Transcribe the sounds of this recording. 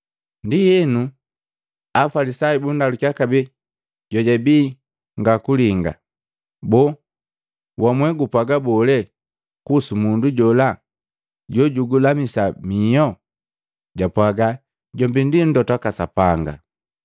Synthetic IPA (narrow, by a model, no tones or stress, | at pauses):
ndijɛnu | afalisaibundalukakabɛ | ɟɔɟabiː | ŋɡakuliŋɡa̰ | bɔ | wamwɛɡupwaɡabɔlɛ | kusumunduɟɔla | ɟɔɟuɡulamisamijɔ | ɟapwaɡa | ɟɔmbindin̩dɔtwakasapaŋɡa̰